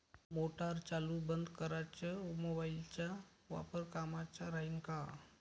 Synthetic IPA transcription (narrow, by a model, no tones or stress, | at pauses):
moʈaɾt͡ɕalubənd̪kəɾat͡ɕaumɔbailt͡ɕja | ʋa̰pəɾkamat͡ɕaɾaɦiŋka